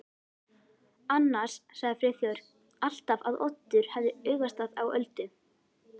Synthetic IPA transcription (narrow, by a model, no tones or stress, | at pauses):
anːḁssaɣðɪfɾɪθjɔɾ̥ | al̥t̪avaðɔ̰t̪ːʏɾ̥hɛvðɪʏːɣvast̪aðawœ̰lt̪ʏ